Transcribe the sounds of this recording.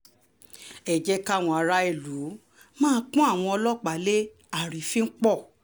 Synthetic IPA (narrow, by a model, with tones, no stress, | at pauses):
ɛ˨d͡ʒɛ˦ka˦˨w̃ɔ̃˧a˧ɾa˧e˨lu˨˦ | mãː˦˧˦k͡pũ˦a˦˨w̃ɔ̃˧ɔ˧lɔ˦k͡pa˨le˦ | a˨ɾĩ˨fĩ˦ŋ̩˦k͡pɔ˦˨